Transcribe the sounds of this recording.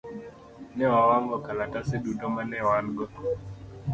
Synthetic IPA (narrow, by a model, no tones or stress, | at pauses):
nɛwawaŋɡɔkalatasɪɗutɔmanɛwanɡɔ